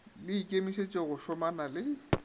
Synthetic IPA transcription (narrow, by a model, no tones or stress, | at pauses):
lɪikʼemiset͡ʃʼeɣʊʃɔmanalɪ